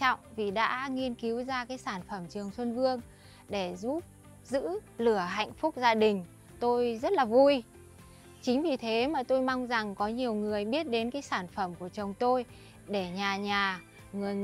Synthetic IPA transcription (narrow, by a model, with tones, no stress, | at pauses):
ɔ̰˧˨wŋ͡mvi˨˩ɗa̰ː˧˥ŋi˧ənki˨˦wzaː˧kaː˨˦jsaː˧˩nfə˧˩mt͡ɕɨ˨˩əŋswə˧nvɨ˧əŋ | ɗe˧˩zu˦˥p̚ | zɨ̰˧˥lɨ˧˩əɦa̰˧˨jŋ̟fʊ˦˥k͡p̚zaː˧ɗï˨˩ŋ̟ | t̪o˧jzə˦˥t̚laː˨˩vu˧j | t͡ɕï˨˦ŋ̟vi˨˩t̪ʰe˨˦maː˨˩t̪o˧jma˧wŋ͡mza˨˩ŋkɔ˨˦ɲi˨˩əwŋɨ˨˩əjɓi˦˥ət̚ɗe˨˦nkaː˨˦jsaː˧˩nfə˧˩mku˧˩ət͡ɕə˨˩wŋ͡mt̪o˧j | ɗe˧˩ɲaː˨˩ɲaː˨˩ | ŋɨ˨˩əj